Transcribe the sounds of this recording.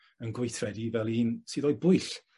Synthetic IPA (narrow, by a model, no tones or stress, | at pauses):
ənɡʊɨθvɛdivɛlˠiːnsɨːðɔjbʊɨɬ